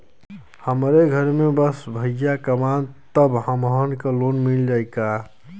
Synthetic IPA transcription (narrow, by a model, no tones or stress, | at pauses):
həmɾeɡʱəɾmẽbəsbʱəjakəmant̪əbɦəmɦənkaloːnmɪld͡ʒaːɪka